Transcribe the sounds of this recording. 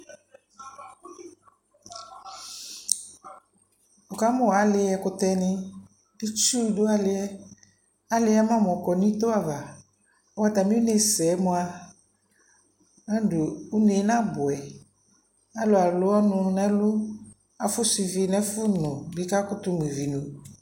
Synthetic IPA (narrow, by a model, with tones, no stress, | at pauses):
ɔ˨ka˦mɔ˨a˨˦lɪ˦ɛ˦kʊ˦t̪ɛ˧nɪ̃˦ | di˦t͡ʃu˦˨dʊ˦a˦lɪ˦ɛ˦ | a˦lɪ˦a˦mã˦˨m˨ɔ˨kɔ˨nĩ˦t̪o˦a˨va˨ | a˨wa˦t̪a˨mĩ˦u˦ne˦sɛ˨˦mʊ˧a˧ | a˦do˨u˦ne˨˦nã˦bʊ˨ɛ˨ | a˦lʊ˨a˨lʊ˦ɔ˦nʊ˧nɛ̃˦lʊ˦ | a˨fʊ˦si˧vi˦nɛ˦fʊ˦nʊ̃˨bi˨˦ka˦kʊ˦t̪ʊ˦m˨e˨vi˨nu˨